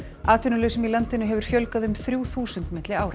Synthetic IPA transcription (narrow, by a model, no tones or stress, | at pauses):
aːt̪ʰʏnʏlʏːsʏmilant̪ɪnʏɦɛvʏɾ̥fjœlkaðʏmθɾjuːθuːsʏnt̪mɪt̪lɪaːwɾa